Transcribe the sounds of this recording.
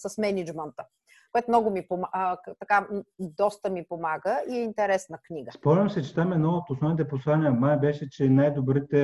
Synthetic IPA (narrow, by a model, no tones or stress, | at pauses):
sɐsmɛnid͡ʒmɛnt̪ə | koɛt̪omnɔɡʊmipomat̪ɐkad̪ɔst̪əmipomaɡəiɛint̪ɛɾɛsnəknʲiɡəspɔmlʲɐmsɛt͡ʃɛt̪amɛd̪nɔot̪osnɔvnit̪ɛposlˠanʲijəmajbɛʃɛt͡ʃɛnajd̪obɾit̪ɛ